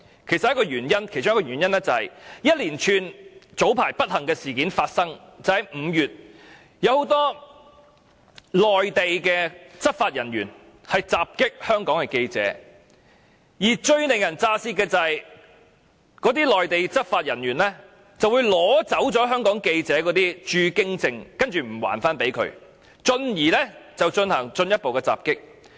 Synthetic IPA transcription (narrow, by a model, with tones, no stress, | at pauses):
kʰe˨˩jsɐ˨jɐ˥kɔ˧jyː˨˩njɐ˥nkʰe˨˩jʊ˥ŋjkɔː˨jyː˨˩njɐ˥nlɛː˥t͡sɐ˨hɐ˨jjɐ˥t̚liː˨˩nt͡ʃʰyː˨˧nt͡so˨˥wpʰaː˨˩jpɐ˥t̚hɐ˨˩ŋkɛː˧siː˨˩kiː˨˥nfaː˧t̚sɐ˥ŋt͡sɐ˨˩hɐ˨jm̩ː˨˧jyː˨t̚ | jɐ˨˧who˨˧˥wt̪ɔː˥ | lɔː˨jt̪e˨jkɛː˧t͡sɐ˥t̚faː˧t̚jɐ˨˩nɥy̰ː˨˩n | hɐ˨jt͡saː˨p̚kɪ˥k̚hœː˥ŋkɔː˨˥ŋkɛ˧ke˧jt͡sɛ̰ː˨˥ | jiː˨˩t͡ʃɵ˧ɥnɪ˨ŋjɐ˨˩nt͡saː˧siː˥kɛː˧t͡sɐ˨j | kɔː˨˥t̪iː˥lɔː˨jt̪e˨jt͡sɐ˥t̚faː˧t̚jɐ˨˩njyː˨˩nlɛː˥ | t͡sɐ˨wuː˨˧jlɔː˨˥t͡sɐ˨˥wt͡sɔː˨˥ɦœː˥ŋkɔː˨˥ŋke˧jt͡sɛː˨˥kɔː˨˥t̪iː˥t͡ʃyː˧kɪ˥ŋt͡sɪ˧ŋkɐ˥nt͡ʃyː˨m̩˨˩wa̰ː˨˩nfaː˥npe˨˥jkʰɵ̰˧ɥ | t͡ʃɵ˧njiː˨˩lɛː˥t͡sɐ˨wt͡ʃnhɐ˨˩ŋt͡ʃɵ˧njɐ˥t̚po˨wkɛː˧t͡sa̰ː˨p̚kɪ˥k̚